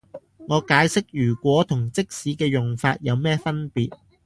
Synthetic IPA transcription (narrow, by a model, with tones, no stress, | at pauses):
ŋɔː˨˧kaː˨˥jsɪ˥k̚jyː˨˩kʷɔː˨˥t̪ʰʊ˨˩ŋt͡sɪ˥k̚siː˨˥kɛː˧jʊ˨ŋfaː˧t̚jɐ˨˧wmɛː˥fɐ˥npiː˨t̚